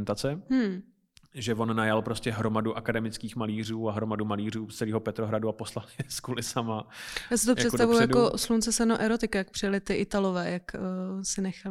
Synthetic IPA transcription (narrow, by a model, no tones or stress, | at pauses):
nt̪at͡sɛm̥m̩ | ʒɛvo̞nːajalpɾo̞scɛɦɾomaduʔakadɛmɪt͡skiːxmaliːr̝uːaɦɾomadumaliːr̝uːst͡sɛliːɦopɛt̪ɾoɦɾaduaposlalɲɛskuːlɪsamajaːsɪt̪ojsɛtst̪avujujakoslunt͡sɛsɛnoʔɛɾot̪ɪkajak̚pr̥ɪjalɪt̪ɪʔɪt̪alovɛːjakːsɪnɛxal